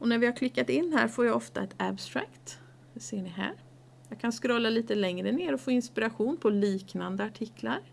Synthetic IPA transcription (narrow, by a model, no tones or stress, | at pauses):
ʔɔnæɾvɪhaɾkʰlɪkːat̪ɪnːɦæ̰ːɾfoːɾjaɡɔft̪a̰ɛt̪abst̪ɾakt̪ | seːɳɪɦæ̰ːɾ | jɑːɡkʰanskɾɔːlːaliːt̪əlɛŋɾəneːɾɔfoːɪnspɪɾaɧuːnpʰɔliːknand̪əaʈʰɪklaɾ